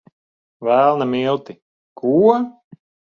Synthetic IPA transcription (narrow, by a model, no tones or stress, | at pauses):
vælˠnamilˠt̪i | kuɔ